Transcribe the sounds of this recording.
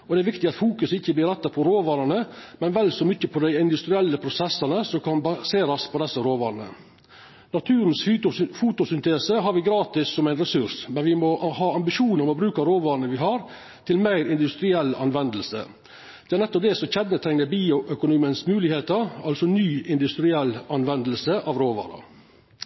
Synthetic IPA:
ɔd̪ɛæɾʋɪk̚t̪ɪɑt̪fuːkʉsɪçːəblɪːɾɛt̪ːɑpʰɔɾoːʋɑːɾənəmɛnʋɛlːsɔmʏçːəpʰɔd̪æɪɪnd̪ʉst̪ɾɪɛlːəpʰɾʊsɛsːɑnəsɔmkɑnbɑseːɾɑspʰɔd̪ɛsːəɾoːʋɑːɾnə̰ | nɑt̪ʰʉːɾnsfuːt̪ʊsʏnt̪ʰeːsəɦɑɾʋɪɡɾɑːt̪ɪsːɔmæɪnɾɛsʉɾʂmɛnʋɪmɔʔhɑːɑmbɪʂuːnəɾmɔbɾʉːkɑɾoːʋɑːɾnəʋɪɦɑɾ | t̪ʰɪlmæɪɾɪnd̪ʉst̪ɾɪɛlːɑ̰nʋɛnd̪əlsə̰ | d̪̥ɛæɾnɛt̪ːɔp̚d̪ɛsɔçɛd̪nət̪ʰɾɛŋnəɾbiːʊʔœkʊnuːmənsmʉːlɪheːt̪əɾɑlsɔnyːʔɪnd̪ʉst̪ɾɪɛlːɑnʋɛnd̪əlsəʔɑʋɾoːʋɑ̰ːɾə̰

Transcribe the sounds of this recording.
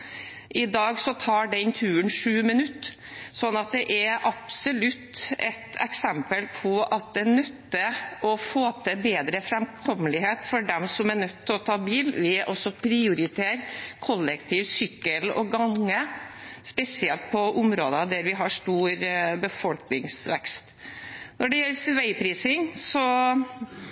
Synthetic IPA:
ʔɪd̪ɑːɡsɔt̪ʰɑːɖɛnt̪ʰʉːənʂʉːmɪnʉt̪ː | sɔnːɑt̪̚d̪ɛʔæɾʔɑpsɔlʉt̪ːɛt̪ɛksɛmpəlpʰɔʔɑt̪̚d̪ɛnœt̪ːəʔɔfoːt̪ʰəbeːd̪ɾəfɾɛmkʰɔmːəlɪɦeːt̪fɔɖɛmsɔmæɳœt̪ʰːɔt̪ʰɑːbiːlʋɪʔɔsɔpʰɾɪʊɾɪt̪ʰeːɾkʰɔlːəkt̪ʰiːʋsʏkːəlɔ̰ɡɑŋːəspɛsɪɛlt̪̚pʰɔʔʊmɾoːd̪ɑd̪æɾʋɪɦɑʂt̪uːɾbəfɔlknɪŋsʋɛkst̪nɔɖɛjɛlsʋæɪpʰɾiːsɪŋsɔ

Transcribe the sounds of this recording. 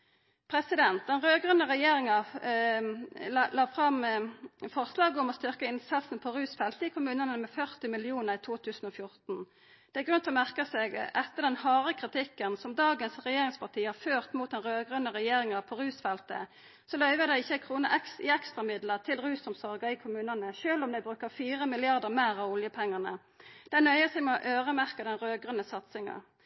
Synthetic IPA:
pʰɾɛsɪd̪ɛnt̪̚d̪ɛnʁøːɡʁʉnəʁɛjeːɾɪŋə | llɑːfʁɑm | fɔʁslɑːɡʊmɔst̪ʏʁkəɪnsɑsn̩pʰɔɾʉːsfɛlt̪əɪkʰʊmʉːnənɛnmɛfœʁt̪ɪmɪlɪuːnəʁɪt̪ʰuːt̪ʰʉːsn̩ɔfjʊʁt̪n | d̪̥ɛæɾɡʁʉnt̪ʰlɔmæʁkəsɛːɡɛt̪ːəd̪ɛnhɑːʁəkʰʁɪt̪ɪkːənsɔmd̪ɑːɡənsʁɛjeːʁɪŋspɑʁt̪ʰiːhɑʁføːʁt̪muːt̪̚d̪ɛnʁøːɡʁʉnəʁɛjeːʁɪŋɑʁpʰɔʁʉːsfɛlt̪ə̰ | sɔlœʏʋəd̪æɪɪçːəæɪkʰʁuːnəʔɛɪɛkst̪ʁɑmɪd̪ləʁt̪ʰɪlʁʉːsʊmsɔʁɡɑɪkʰʊmʉːnənəʃøːlɔmd̪æɪbʁʉːkəʁfiːʁəmɪlɪɑʁd̪əʁmæːʁɑʋʊljəpʰɛŋːənə | d̪̥ɛɪnœʏəsɛɡmɛɔʔøːʁəmæʁkɑd̪ɛnʁøːɡʁənəsɑt̪sɪŋɑ̰

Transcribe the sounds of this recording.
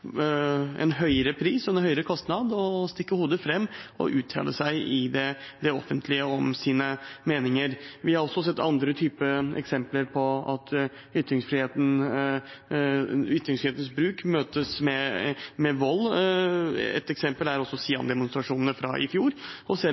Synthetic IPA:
ɛ̰nɦœʏəɾəpʰɾiːsɔɛnhœʏəɾəkʰɔst̪nɑd̪ɔst̪ɪkːəhuːd̪əfɾɛmːɔ̰ʔʉːt̪ʰɑ̰ːlə̰sæɪʔɪd̪ɛd̪ɛɔfːənt̪ʰlɪəɔmsiːnəmeːnɪŋəɾʋɪhɑɾɔsːɔsɛt̪ːɑnd̪ɾət̪ʰyːpəɛ̰ksɛmpləɾpʰɔɑt̪ | ʏt̪ːɾɪŋsfɾɪheːt̪n̩ | ʏt̪ːɾɪŋsfɾɪheːt̪n̩sbɾʉːkmøːt̪əsmɛmɛʋɔlː | ɛ̰t̪ɛksɛmpəlæɾɔsːɔsiːɑ̰nd̪ɛmʊnst̪ɾɑʂuːnənəfɾɑ̰ʔɪfjuːɾɔsɛ

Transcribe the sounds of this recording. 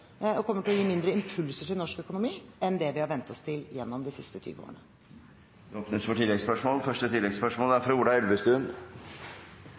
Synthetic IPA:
ɔkʰɔmːəʈɪlɔjiːmɪnd̪ɾəɪmpʰʉlsəʈʰɪlnɔʂkœkʊnʊmiːɛnd̪ɛʋɪhɑɾʋɛnt̪ʰɔst̪ʰɪljɛnːɔmd̪ɪsɪst̪ət̪ʰy̰ːʋəo̰ːəɳə | d̪ɛoːpnəsfɔʈʰɪlːɛɡspœʂmoːlfœʂʈət̪ʰɪlːɛɡspœʂmoːlæɾfɾɑʋʊɖɑnɛlʋəst̪ʉːn

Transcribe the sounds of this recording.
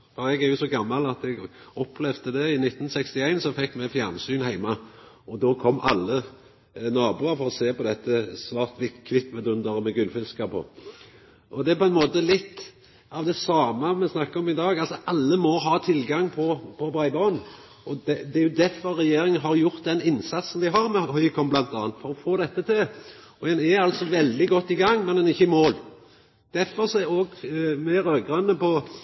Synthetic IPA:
fɔɾɛɡæɾjʊsɔɡɑmːɑlɑt̪ɛɡɔplɛʋd̪əd̪ɛɪnɪt̪ːn̩sɛkst̪ɪæɪnsɔfɛkːmɛfjæʁnsyːnhæɪmɑ | ɔd̪oːkʰɔmːɑlːə | nɑːbuːɑɾfɔʁɔseːpɔd̪ɛt̪ːəsʋɑːʁt̪ʋɪk̪kʰːʋɪt̪ːmɛd̪ʉnd̪əʁəmɛɡʉlfɪlskɑpʰɔ̰ | ʔɔd̪ɛpʰɔɛnmoːt̪əlɪt̪ː | ɑʋd̪ɛsɑːməmɛsnɑkːəɔmɪd̪ɑːɡɑlsɔʔɑlːəmɔɦɑːt̪ʰɪlɡɑŋːpʰɔpʰɔbʁæɪbɑn̩ | ɔd̪ɛd̪ɛæɾjʊd̪æɾfɔɾɾɛjeːɾɪŋənɦɑɾjʊʁt̪̚d̪ɛnɪnːsɑt̪sn̩d̪ɪɦɑɾmɛhœʏkʰɔmblɑnt̪ɑːnt̪fɔɾɔfoːd̪ɛt̪ːət̪ʰɪlɔɛnɛɑlsɔʋɛld̪ɪɡɔt̪ːɪɡɑŋːmɛnɛnɪçːəmoːl | d̪̥æɾfɔɾsɔɛɾɔɡmɛɾœːɡʁənəpɔ

